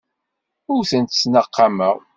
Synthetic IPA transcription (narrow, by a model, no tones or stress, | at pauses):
ʊɾθənt̪snəqːɑməʁ